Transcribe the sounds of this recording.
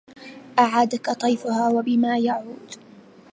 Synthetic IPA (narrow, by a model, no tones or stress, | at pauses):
ʔaʕaːd̪akat̪ˤɑjfʊhaːwabɪmaːjaʕuːd̪